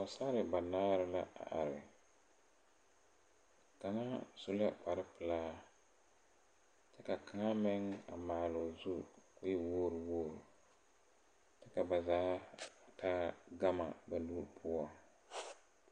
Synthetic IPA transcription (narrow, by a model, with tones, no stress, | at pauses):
ɔ˨sa˦ɾɪ˨ba˨naː˦ɾɪ˦la˦ʔa̰˨ʔa̰˨ɾɪ˨ | ka˨ŋa˦su˦la˦pa˨ɾɪ˦pɨ˨laː˦ | tɛ˦ka˨ka˨ŋa˦mɛ˦ŋa̰˨maː˨lʊ˨zu˦kʊ˦jɪ˦woː˦ɾɨ˨woː˦ɾʊ˨ | tɛ˦ka˨ba˨zaː˦˨tʰaː˦ɡa˦ma˨ba˨nuː˦ɾpʰʊ˦ɔ˨ŋ